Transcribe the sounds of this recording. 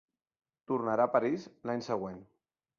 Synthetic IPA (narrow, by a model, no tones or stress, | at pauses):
t̪urnaɾapaɾizlaɲsəɣ̞wen